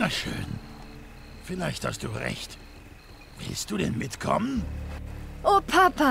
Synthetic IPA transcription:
naʃø̰ːn | fɪlaɪçtha̰st̚d̥uːʁɛ̰çt | vɪ̰lstd̥uːɾɛnmɪtkʰɔ̰mən | ʔoːpʰapa

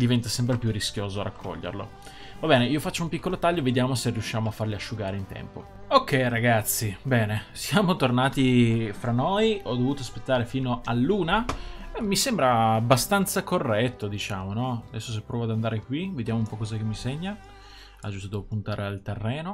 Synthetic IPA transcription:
d̪ivɛnt̪asɛmpɾepjurːisk̟joːzoaɾa̰kʰːɔ̰ʎːḛrlo̰ | vabɛːneiːofat͡ʃːoumpikːolot̪aʎːoved̪jaːmoseriuʃːaːmoafːarliaʃːuɡaːɾeint̪ɛ̰mpo̰ | okːɛjɾaɡat̪sːibɛːnesjaːmot̪ornaːt̪ifɾanːojɔd̪ːovuːt̪oaspet̪ːaːɾefiːnoalːuːnaɛmisembɾaːbːast̪ant̪sakorːɛt̪ːod̪it͡ʃaːmonɔad̪ɛsːos̬epːɾɔːvoad̪and̪aːɾekwived̪jaːmoumpɔkːɔːzakemːiseɲːa | ad͡ʒust̪od̪oopunt̪aːɾʔealt̪erːɛːno

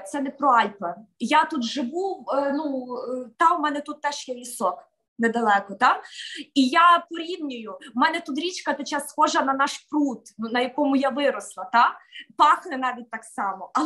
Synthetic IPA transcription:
t̪sɛnɛpɾɔɑlʲpɐjat̪ut̪ʒɪʋuwnut̪ɑʊmɛnɛt̪ut̪ːɛʃjɛʋʲisɔk | nɛd̪ɐlˠɛkɔt̪ɑijapɔɾʲiwnʲʊjʊmɛnɛt̪ut̪ɾʲit͡ʃkɐt̪ɛt͡ʃasːxɔʒɐnɐnɑʃprut̪nunɐjɐkɔmʊjaʋɪɾɔslˠɐt̪ɑpɑxnɪnɑʋʲit̚ʲt̪ɑksɑmɔʔɐ

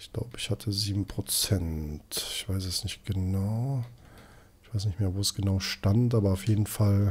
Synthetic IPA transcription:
ɪçɡ̥la̰ʊbəɪçhatʰəziːbm̩pʁ̥ot͡sɛntɪçv̥aɪs̬ɛsnɪçt̚ɡ̥ənaʊ | ɪçv̥aɪsnɪçtmeːɐvoːsɡ̥ənaʊʃtantʔaːbɐaʊfjeːdn̩fal

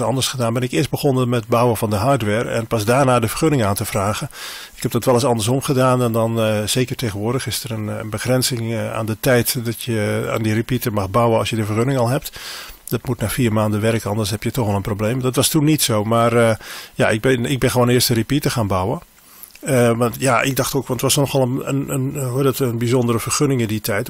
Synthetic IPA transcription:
ɑ̰ndərsχədaːnbɪnɪkɪəs̚bəxonəmɛt̚bawəfɑndəɦaɹtʋɛːɹɛ̰npɑsdaːrnaːdəfərχønɪŋaːntəfraːɣə | ɪkhɛb̚dɑtʋɛlˠəsɑndəsɔmχədaːnɛndɔnz̥eːkərteːxɣənʋʊːrdəxɪstərənənbəxrɛnsɪŋa̰ːndətɛjtdɔtjəa̰ːndiripitəmɑxbawəɑlˠsjədəfərxønɪŋɑlˠɦɛp̚td̥ɔtmutnaːfiːrmaːndəʋɛrkəɔndəshɛpjətɔxʋɛlˠənprobleːmdɔtʋɑstunːitsoːmaːrjaɪk̚bɪnɪɡ̚bɪnxəʋoːnɪəstəripitəxaːnbawə | əʋɑntjaʔɪ̰ɡ̚dɑxtoːkɑ̃ntəʋɔsnɔxʋɛlˠəənənɦodɔtənbizɔndəɾəvərxønɪŋɪnditʰɛjt

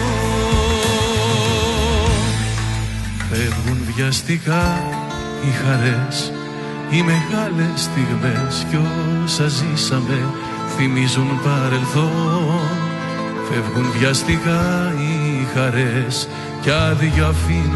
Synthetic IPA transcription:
fevɣunðʝɐst̪ikɐ | ixɐɾe̞s | ime̞ɣɐle̞st̪iɣme̞scosɐzisɐme̞ | θimizunpɐɾe̞lθo̞ | fe̞vɣunðʝɐst̪ikɐixɐɾe̞s | cɐðiʝoɐfi

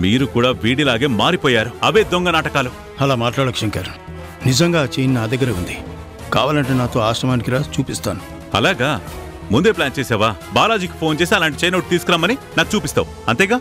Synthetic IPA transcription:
miːɾukuːɽaːʋiːɽilaːɡe̞ːmaːɾipɔːjaːɾuɐʋeːd̪oŋɡɐnaːʈɐkaːlu | ɐlaːmaːʈlaːɽɐkʂɐŋkaːɾu̥ | nizɐŋɡaːt͡ʃejninaːd̪ɐɡːɐɾɐːund̪i | ka̰ːʋaːlɐɳʈeːnaːt̪oːaːsʈɐmaːnikiɾaːt͡ʃuːpist̪aːnu | ɐ̰laːɡaː | mund̪e̞ːplaːnt͡ʃeːsɛːʋaːbaːlaːd͡ʒiːki̥pʰo̞ːnt͡ʃeːs̬iɐlaːɳʈit͡ʃɐjnɐwʈ̚t̪iːsu̥kuɾaːmːɐninaːku̥t͡ʃuːpist̪a̰ːwu | ɐnt̪ɛːɡaː

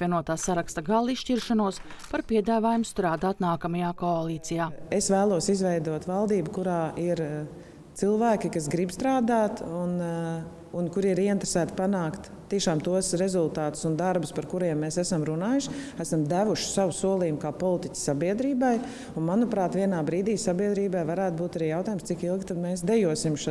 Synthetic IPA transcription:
pvʲiɛnuɔt̪aːsaɾakst̪ɐɡalˠisʃciɾʃanuɔspaɾpiɛd̪aːvaːjumst̪ɾaːd̪aːt̪naːkamajaːkoalˠiːt̪sijaːesvæːlˠuɔsizvɛjd̪uɔt̪valˠd̪iːbukuɾaːiɾ | t̪silˠvæːkikasɡɾibst̪ɾaːd̪aːt̪unː | nkuɾiɾiɛint̪ɾe̥sæːt̪panaːkt̪ | t̪ːiɛʃaːmt̪uɔsɾezulˠt̪aːt̪ʊ̥sund̪aɾbʊspaɾkuɾiɛmːeːsæsamɾunaːjuʃæsamd̪æʋuʃɪ̥saʋusuɔlˠiːumkaːpɔlˠit̪icʲsːabiɛd̪ɾiːbaj | unmanupɾaːt̪ʋiɛnaːbɾiːd̪iːsabiɛd̪ɾiːbajvaɾæːt̪buːt̪aɾiːjawt̪aːjmst̪sikilˠɡʲt̪ad̪meːsd̪ɛjuɔsimʃ

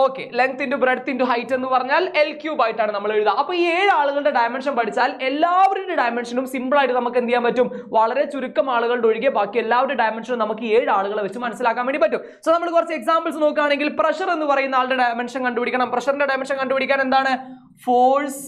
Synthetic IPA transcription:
o̞ːkːele̞ŋk̚t̪indubreɖt̪ːinduɦɐjtːe̞nːupɐrɐɲːaːle̞lkjuːbaːjiʈːaːɳɨnɐmːɐɭeɻuðɐɐpːoːieːɻaːɭuɣɐɭɽe̞ɖɐjme̞nʂɐnpɐɽʰit͡ɕːaːle̞lːaːʋɐɾuɽuɖɐjme̞nʂɐnumsimbɭaːjʈːɨnɐmukːenijːaːmpɐtːumʋɐɭɐɾe̞t͡ɕuɾukːɐmaːɭuɣɐɭɖo̞ɻiɣebaːkːimelːaːʋɐɾuɖɐjmenʂɐnumnɐmukːɨeːɻaːɭuɣɐɭeʋɐt͡ɕːumːɐnɐsːilaːkːaːmeɳɖipɐtːum | soːnɐmːɐɭkurɐt͡ɕːɐeksaːmbɐls̬no̞ːkːaːɳe̞ŋɡilprɐɕɐre̞nːupɐrɐjunːaːɭɽeɖɐjme̞nʂɐnkɐɳɖupiɽikʲːɐɳɐmprɐɕɐrindeɖɐjmenʂɐnkɐɳɖupiɽikʲːaːnend̪aːɳɨ | foːs

